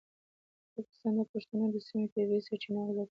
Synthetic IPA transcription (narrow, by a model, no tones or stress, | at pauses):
pɑkɪ̥st̪ɑnd̪əpaʂt̪anod̪əsimepəjwesaʈinawla